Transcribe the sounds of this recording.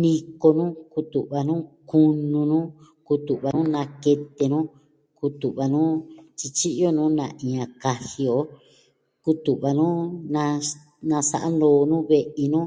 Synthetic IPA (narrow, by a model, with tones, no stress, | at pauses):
nĩ˧ko˧nũ˦ku˧t̪u˨ʔβa˧nũ˦ku˧nũ˧nũ˦ | ku˧t̪u˨ʔβa˧nũ˦nã˧ke˧t̪e˧nũ˦ | ku˧t̪u˨ʔβa˧nũ˦t͡ʃi˧t͡ʃi˦ʔjo˦nũː˦nã̰˧ʔĩ˨˧ã˨˧ka˧hi˧o˧˦ | ku˧t̪u˨ʔβa˧nũ˦nã˧ | nã˧sa̰˧ʔa̰˦noː˨˧nũ˦βe˧ʔi˧nũ˦